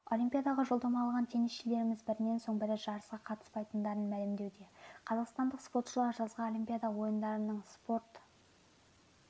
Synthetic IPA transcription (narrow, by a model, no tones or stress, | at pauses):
o̞lʲimpʲijad̪ɑʁɑʒo̞lˠd̪ɑmɑɑːlˠʁɑnt̪ʰe̞nɪsʃele̞ɾɪmɪzbɪɾɪne̞nso̞ɴbɪɾɪʒ̥ɑɾəsqɑqʰɑt̪ə̥spɑjt̪ənd̪ɑɾənmælɪmd̪e̞wd̪e̞qʰɑzɑqst̪ɑnd̪əqspo̞rt̪ʃəlˠɑɾʒɑzʁɑnolʲijmpʲijad̪ɑwo̞jənd̪ɑɾənəɴspo̞ɾt̪